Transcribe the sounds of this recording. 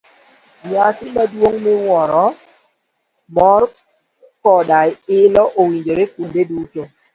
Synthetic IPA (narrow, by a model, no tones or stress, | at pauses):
ɲasɪmadwoŋmɪwɔɾɔ | mɔr | kɔdaɪlɔʔowiɲd͡ʒoɾekundeduto